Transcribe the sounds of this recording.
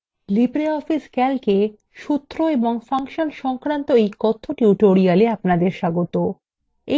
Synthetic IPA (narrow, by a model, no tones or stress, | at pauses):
lipɾeɔfiskɛlke | ʃut̪ːɾoeboŋfaŋʃonʃɔŋkɾant̪oejkɔt̪ʰːoʈuʈoɾialeapnad̪eɾʃaɡot̪o | e